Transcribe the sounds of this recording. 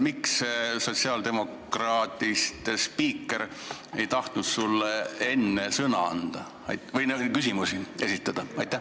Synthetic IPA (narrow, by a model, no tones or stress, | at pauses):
miksso̞t̪ʲsiɑːld̪e̞mo̞k | rɑːt̪ˑist̪spiːkːˑe̞ɾ | e̞jt̪ɑht̪nut̪sulːee̞nːe̞sɤnɑ̰ɑnd̪̥ɑ | ɑ̰jt̪vɯjnekysimusiesit̪ːˑɑd̪̥ɑɑjt̪ːˑæ